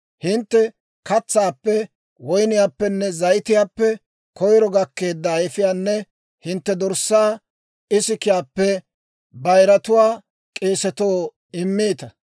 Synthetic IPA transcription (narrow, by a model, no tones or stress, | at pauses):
hɪnt̪ːɛ | kɐt͡sːaːpːɛ | wɔjnɪjaːpːɛnːɛzɐjt̪ɪjaːpːɛ | kɔjɾɔɡɐkːe̞ːd̪ːɐːjfɪjaːnːɛ | hɪnt̪ːɛd̪ɔɾsaː | ɪsɪkɪjaːpːɛ | bɐjɾɐt̪ʊwaː | kʼeːsɛt̪oː | ɪmːeːt̪ɐ